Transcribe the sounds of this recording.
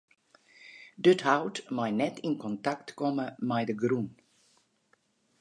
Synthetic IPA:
dɵthawtmajnɛtɪnkɔntaktkɔməmɛjdəɡɾun

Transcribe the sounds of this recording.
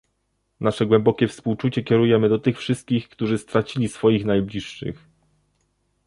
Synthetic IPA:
naʂɛɡwɛmbɔkʲɛfspuwt͡ʂut͡ɕɛkʲɛɾujɛmɘd̪ɔt̪ɘxfʂɘst̪̚kʲixkt̪uʐɘst̪ɾat͡ɕilʲisfɔjixnajblʲiʂːɘ̰x

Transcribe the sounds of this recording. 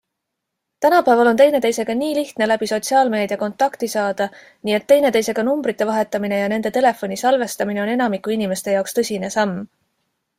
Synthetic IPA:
t̪ænɑpæevɑlo̞nt̪e̞jne̞t̪e̞jse̞ɡ̥ɑniːliht̪ne̞læbiso̞t̪siɑːlme̞ːd̪̥iɑko̞nt̪ːˑɑkt̪isɑːd̪̥ɑ | niːe̞t̪ːe̞jne̞t̪e̞jse̞ɡ̥ɑnumbɾit̪ˑːe̞vɑɦe̞t̪ːˑɑmine̞jɑne̞nd̪e̞t̪e̞le̞fo̞nisɑlve̞st̪ɑmine̞o̞ne̞nɑmikːˑuinime̞st̪e̞jɑokst̪ɤsʲine̞sɑmː

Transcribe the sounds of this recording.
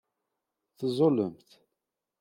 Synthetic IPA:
θzˤoləmθ

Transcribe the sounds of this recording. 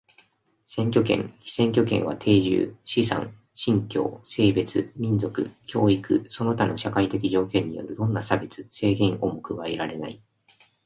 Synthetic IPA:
sẽ̞ŋkʲo̞kḛ̃ŋçi̥sẽ̞ŋkʲo̞kẽ̞̰ɰ̃βa̰t̪ʰe̞ːʑɨ̰ːɕisã̰ŋ | ɕĩŋkʲo̞̰ːse̞ːbe̞t͡sɨmʲĩnd͡zo̞kɯ̟kʲʰo̞ːikɯ̟̰so̞no̞t̪ano̞ɕakait̪e̞kʲiʑo̞ːkʲẽ̞ɲ̟ːḭjo̞̰ɾɯ̟d̪õ̞nːasabe̞t͡sɨse̞ːɡẽ̞ɰʔo̞mokɯ̟βaeɾaɾe̞nai

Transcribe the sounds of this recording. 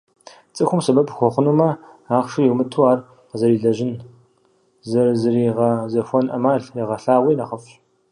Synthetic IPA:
t͡sʼɨxʷʊmsɐbɐbxʷɔχʷʊnuːmɐ | aːχʂijiwmɨtʰuaːr | zɐɾiːɮɐʒɪn | zɐrzɐriːʁɐzɐxʷɔnʔɐ̰maːɮjɛʁɐɬaːʁʷiːnaχəfɕ

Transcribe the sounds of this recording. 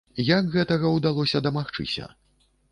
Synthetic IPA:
jakɣɛt̪ɐɣɐwd̪alˠɔsʲɐd̪ɐmaxt͡ʂɨ̰sʲɐ̰

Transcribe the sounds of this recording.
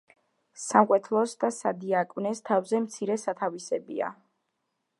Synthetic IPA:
samqʼwɛt̪ʰlˠɔsd̪asad̪iakʼvnɛst̪ʰavzɛmt̪sʰiɾɛsat̪ʰavisɛbḭa̰

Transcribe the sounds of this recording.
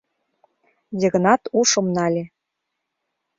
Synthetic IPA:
d̪ʲeɣə̆nɑt̪uʃɤ̆mnɑlʲe

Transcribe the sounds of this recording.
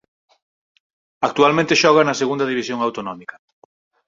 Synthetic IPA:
ak̚t̪ualmẽnt̪eʃɔɣ̞ɐnɐseɣund̪ɐðiβisjoŋawt̪onɔmikɐ̥

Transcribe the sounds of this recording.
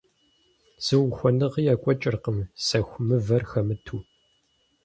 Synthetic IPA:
z̥ɨwxʷɔnɨʁjaːkʷʼɔt͡ʃʼɪrqəmsɐxʷmɨvɐrxɐmɨtʰuː

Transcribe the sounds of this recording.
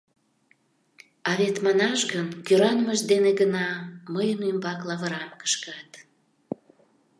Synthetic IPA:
ɑβet̪mɑnɑʃɣənkøɾɑnməʒd̪eneɣənɑməjənymbɑklɑβəɾɑmkə̥ʃkɑt̪

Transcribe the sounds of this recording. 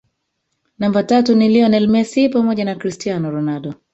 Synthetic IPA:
nambatatuniliɔnɛlmɛsipamɔʄanakɾistianɔɾɔnaɗɔ

